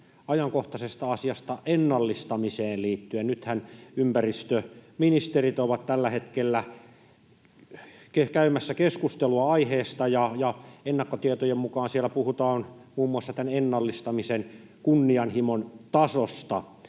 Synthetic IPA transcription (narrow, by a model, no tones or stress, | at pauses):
ɑjɑŋkoht̪ɑsest̪ɑɑsiɑst̪ɑʔenːɑlːist̪ɑmiseːnliːt̪ːyennyt̪hænympærist̪øminist̪erit̪oʋɑt̪t̪ælːæhet̪kelːæ | kekæymæsːækeskust̪eluɑɑiheːst̪ɑjɑjɑenːɑkːot̪iet̪ojemmukɑːnsielːˑæpuhut̪ɑːnmuːmːuɑsːɑt̪ænenːɑlːist̪ɑmisen | kunːiɑnhimont̪ɑsost̪ɑ̰